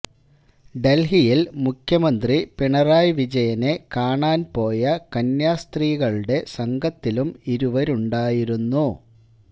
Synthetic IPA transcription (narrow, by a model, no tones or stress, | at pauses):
ɖe̞lhijilmukʰjɐmɐnd̪ripiɳɐraːjʋid͡ʑɐjɐne̞kaːɳaːnpo̞ːjɐkɐnjaːst̪riːɣɐɭɽe̞sɐŋɡʱɐt̪ːilumiɾuʋɐɾuɳɖaːjiɾunːu